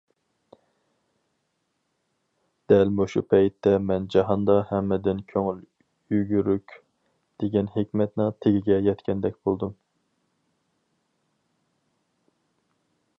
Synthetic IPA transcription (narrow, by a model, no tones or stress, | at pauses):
d̪̥ɛlmuʃupʰɛjt̪ʰːɛmɛnd͡ʒɑɦɑnd̪ɑhɛmːɪd̪ɪnkʲʰøŋyl | yɡʲyɾykʲ | d̪̥eɡʲɛnɦekʲmɛt̪nɪŋt̪ʰeɡʲiɡʲɛjɛt̪kʲʰɛnd̪ɛkʲb̥olˠd̪um